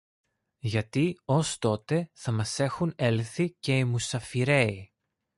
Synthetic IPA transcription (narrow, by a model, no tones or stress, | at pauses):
ʝɐt̪io̞st̪o̞t̪e̞θɐmɐse̞xune̞lθice̞imusɐfiɾe̞i